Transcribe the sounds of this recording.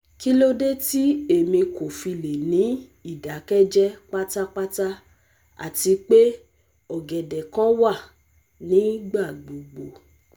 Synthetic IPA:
ki˦lo˦de˦ti˦e˦˨mĩ˧ko˨fi˧le˨nĩ˨˦ | i˦˨da˨˦kɛ˦d͡ʒɛ˦k͡pa˦ta˦k͡pa˦ta˦ | a̰˨ti˧k͡pe˦ | ɔ˦˨ɡɛ˨dɛ˨kã˦wa˦˨ | nĩ˨˦ɡ͡ba˦˨ɡ͡bo˨ɡ͡bo˨

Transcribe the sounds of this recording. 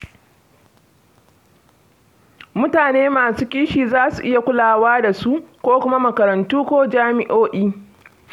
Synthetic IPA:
mʊ˦taː˨neː˦maː˨suː˦kʲiː˦ʃiː˨zaː˦su˨ʔɪ˦ja˨kʷʊ˦laː˨waː˦da˨su˦ʔkʷoː˦kʷʊ˦ma˦mɐ˨kɐ˨ɾɐ˨ntuː˦kʷoː˦d͡ʒaː˦mɪ˨ʔoː˦ʔiː˦

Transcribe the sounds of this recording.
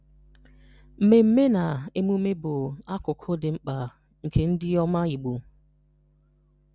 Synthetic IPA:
m̩˨me˨m̩˦me˦na˨e˦mu˦me˦bʊ˨a˦kʊ˨kʰʊ˦dɪ˨ŋ͡m̩˦k͡pa˨ | ŋ̩˨kʰe˨n̩˦dɪ˦ɔ˦ma˦i˨ɡ͡bu˨

